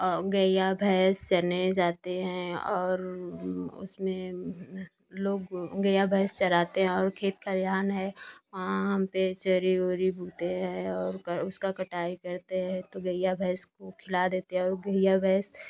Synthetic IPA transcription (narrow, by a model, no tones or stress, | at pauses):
ɔːɾɡɐjabʱɛst͡ʃɐned͡ʒaːt̪eɦɛ̃ɔːɾ | ʊ̰smẽ | loːɡɡəjabʱɛːst͡ʃɐɾaːt̪eɦɛ̃ɔːɾkʰeːt̪̚kaljaːnɦɛʋɐɦãɦɐmpet͡ʃəɾioːɾibʱuːt̪eɦɛ̃ɔːɾʊskakɐʈaːikɐɾt̪eɦɛ̃t̪oɡəɪjabʱɛɦskokʰɪlad̪eːt̪eɦɛ̃ɔːɾɡəɪjabʱɛːs